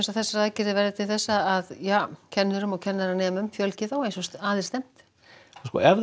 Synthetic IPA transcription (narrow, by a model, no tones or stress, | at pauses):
ɛnsaðθɛsːaɾaːðcɪɾðɪvɛɾðɪt̪ʰɪlθɛsːaaðjaːcʰɛnːʏɾʏmɔɣcʰɛnːaɾanɛːmʏmfjœlcɪðawejnsɔsaːðɪr̥st̪ɛm̥t̪ | ɔskɔ̰ɛɾ